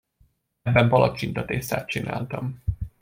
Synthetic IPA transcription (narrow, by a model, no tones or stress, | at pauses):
bːɛmpɒlɒt͡ʃint̪ɒt̪eːsa̰ːt̪̚t͡ʃinʔa̰ːlt̪ɒm